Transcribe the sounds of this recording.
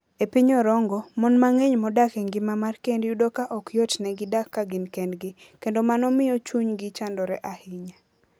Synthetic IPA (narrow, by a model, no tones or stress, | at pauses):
epiɲɔɾɔŋɡɔmɔnmaŋeɲmɔdakɛŋɡɪmamarkɛndjudokaʔɔkjotnɛɡɪdakːaɡɪnkɛndɡɪ | kendomanɔmɪjɔt͡ʃuɲɡɪt͡ʃandɔɾɛʔahɪɲa